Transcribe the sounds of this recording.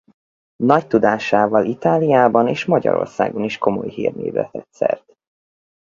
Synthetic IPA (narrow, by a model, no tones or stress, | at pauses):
nɒct̪ud̪aːʃaːvɒlit̪aːlijaːbɒneːʃmɒɟɒ̰ɾo̰rsa̰ːɡo̞niʃko̞mo̞̰jhiːrneːvlɛ̰t̪ɛt̪sɛrt̪